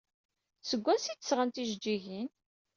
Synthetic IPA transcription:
səɡʷːæsit̪ːəsʁənt̪iʒd͡ʒːiʝin

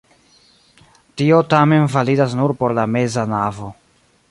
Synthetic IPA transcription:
tio̞tame̞nvalidas̬nuɾpo̞ɾlame̞zanavo̞

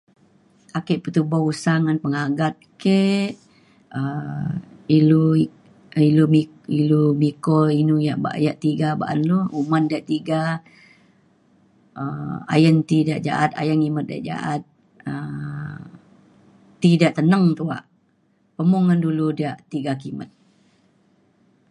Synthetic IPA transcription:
akeʔpət̪ubausaŋanpəŋaɡat̪̚keʔ | ə | ilu | ilumi | ilumikɔinujaʔba̰ʔjaʔt̪iɡaba̰ʔa̰nluumandiaʔt̪iɡa | əa̰jənt̪idiaʔd͡ʒa̰ʔat̪a̰jəŋimət̪̚dia̰ʔd͡ʒa̰ʔat̪̚ | ə | t̪ːidaʔt̪ənəŋt̪ua̰ʔ | pəmuŋənduludiaʔt̪iɡakimə̰t̪̚

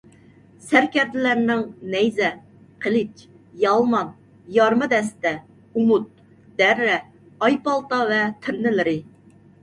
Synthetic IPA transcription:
sæɾkʲɛɾd̪ɪlæɾnɪŋnɛjzɛ | qʰelɪt͡ʃ | jɑlˠmɑn | jɑɾmɨd̪ɛst̪ɛ | umut̪̚ | d̪̥ɛɾːɛ | ɑjpɑlˠt̪ɑvɛt̪ʰɪɾnɪlɪɾɪ

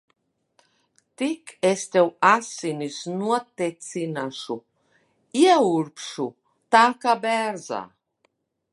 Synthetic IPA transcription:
t̪ikest̪ɛwasinisnuɔt̪et̪sinaʃu | iɛuɾpʃu | t̪akabɛɾza̰

